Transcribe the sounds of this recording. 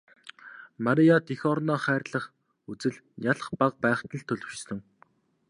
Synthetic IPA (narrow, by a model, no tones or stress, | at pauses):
maɾijat̪exɔrnɔːχæːrɮə̆χ | ut͡sɘ̆ɮ | jaɮ̆χpaq̚pæːχt̪ə̆ɮt̪ʰːɵɮɵ̆wt͡ɕsɵ̆ŋ